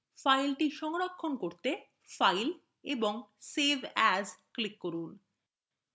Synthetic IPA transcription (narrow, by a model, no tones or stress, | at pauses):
fajlʈiʃɔŋɾakʰːonkoɾt̪e | fajl | eboŋsebʱɛzklikːoɾun